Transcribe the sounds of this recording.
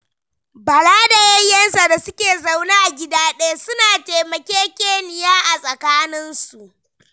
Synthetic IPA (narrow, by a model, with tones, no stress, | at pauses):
bɐ˨laː˦da˨jɐ˦jːɐ˦nsa˨da˨sʊ˦kʲeː˨za˦˨wnaː˦ʔa˨ɡʲɪ˦daː˦ɗa˦jsʊ˦naː˨teː˨mɐ˨kʲeː˦kʲeː˦nɪ˨jaː˦ʔa˨sʼɐ˨kaː˦nɪ˦nsu˨ʔ